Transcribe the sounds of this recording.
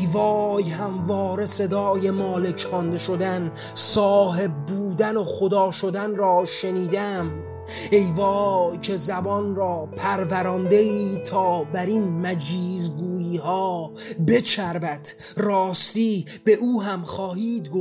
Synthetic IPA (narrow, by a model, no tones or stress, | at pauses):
ejvɒːjhæmvɒːɾe̞se̞d̪ɒːje̞mɒːle̞cχɒnd̪e̞ʃod̪æn | sɒːɦe̞b̚ːuːd̪ænoχod̪ɒːʃod̪ænrɒːʃe̞niːd̪æm | e̞jvɒːjcʰe̞zæbɒnrɒːpʰæɾvæɾɒnd̪e̞iːt̪ʰɒːbæɾinmæd͡ʒiːzɡuːjiːhɒːbe̞t͡ʃʰæɾbæt̪rɒːst̪iːb̥e̞ʔuːɦæmχɒːhiːd̪ɡo